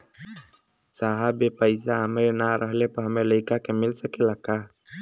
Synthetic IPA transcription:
saɦabepəɪsaɦəmɾenaɾʔəɦlepəɾɦəmeləɪkakemɪlsəkelaka

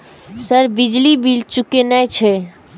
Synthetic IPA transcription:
səɾbid͡ʒlibilt͡ʃukenɛjt͡ʃʰɛ

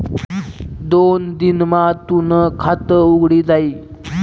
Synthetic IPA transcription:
d̪ond̪inmat̪unəkʰat̪əuɡɽiːd͡zaiː

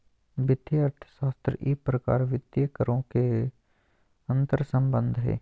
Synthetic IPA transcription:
bɪd̪jəəɾt̪ʰə̥ʃaːst̪ɾəʔiːpɾəka̰ːɾʋɪd̪jəkəɾõke | ɐ̃nt̪əɾsə̃mbə̃nd̪ʱɦɛ̰ː

